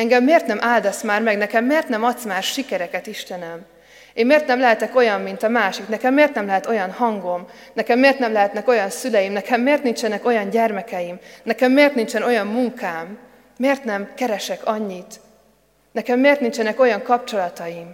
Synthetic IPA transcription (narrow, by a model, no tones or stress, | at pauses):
ɛŋɡɛmːeːrt̪nɛmʔaːld̪ɒsmaːrmɛɡnɛkɛmːeːrt̪nɛmɒt̪smaːrʃikɛɾɛkɛt̪iʃt̪ɛnɛm | emmeːrt̪nɛmlɛɦɛt̪ɛko̞jɒmːint̪ɒmaːʃiknɛkɛmːeːrt̪nɛmlɛɦɛt̪o̞jɒnhɒŋɡo̞m | nɛkɛmːeːrt̪nɛmlɛɦɛt̪nɛko̞jɒnsylɛjimnɛkʰɛmːeːrt̪nint͡ʃɛnɛko̞jɒɲɟɛrmɛkɛjimnɛkɛmːeːrt̪nint͡ʃɛno̞jɒmːuŋkaːmː | eːrt̪nɛmkɛɾɛʃɛkɒɲːit̪ | nɛkɛmːeːrt̪nint͡ʃɛnɛko̞jɒŋkɒp̚t͡ʃo̞lɒt̪ɒjim